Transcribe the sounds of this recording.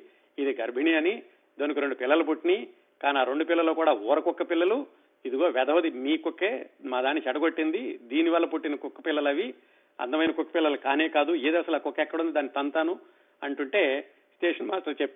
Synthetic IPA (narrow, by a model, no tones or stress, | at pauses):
id̪iɡɐɾbʱinijɐni | d̪onikuɾeɳɖupɪlːɐlɐp̬uʈːini | kaːniaːɾo̞ɳɖupilːɐloːkuːɽaːɔːɾɐkɔkːɐpilːɐlu | id̪iɡo̞ːʋɛd̪ɐɦod̪imiːkokːeːmaːd̪aːnit͡ʃɐʈɐɡoʈːind̪id̪iːniʋɐlːɐpuʈːinikɔkːɐpilːɐlɐʋi | ɐ̰nd̪ɐmɐjnɐkɔkːɐ̥pilːɐlɐkaːneːkaːd̪ueːd̪iɐsɐlɐkːɔkːɛkːɐɽund̪d̪aːnːit̪ɐnt̪aːnu | ɐɳʈuɳʈe̞ː | sʈeːʂɐnmaːsʈɐɾt͡ʃepː